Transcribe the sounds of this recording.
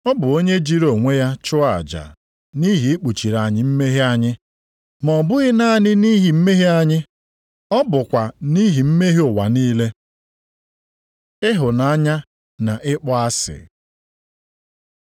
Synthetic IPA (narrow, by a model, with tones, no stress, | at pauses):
ɔ˦bʊ˨o˦ɲe˦d͡ʒi˦ɾo˨ŋʷe˦ja˦t͡ʃʊ˦a˨d͡ʒa̰˨ | ni˦ɦi˨ɪ˦k͡pu˨t͡ʃi˨ɾa˨ɲɪ˦m̩˦me˦ɦi˦a˦ɲɪ˦ | mɔ˨bʊ˦ɣɪ˦na˦a˨nɪ˦ni˦ɦi˨m̩˦me˦ɦi˦a˦ɲɪ˦ | ɔ˦bʊ˨kʷa˨ni˦ɦi˨m̩˦me˦ɦi˦ʊ˨wa˨niː˦le˦ | ɪ˦ɦʊ˨na˦ɲa˦ | na˨ʔɪ˦k͡pɔ˦a˦sɪ̰˨